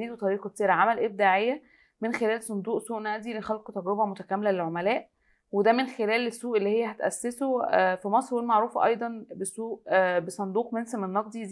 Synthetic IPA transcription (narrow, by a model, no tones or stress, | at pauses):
iːd̪wt̪ˤɑɾiːqɑb̚t̪iːɾæʕamælʔeb̚d̪aːʕejːæ | menxelæːlsˤond̪uːʔsuːʔnæʔd̪ilexælqot̪æɡɾobæmot̪ækæmːelælelʕomælæːʔ | wed̪æmenxelæːlesːuːʔelːiːhejːæɦæt̪ʔæ̰sːesofimɑsˤɾwelmaʕɾuːfʔɑ̰jd̪ˤɑnbesuːʔbesˤɑnd̪uːqmensemenːɑq̚d̪i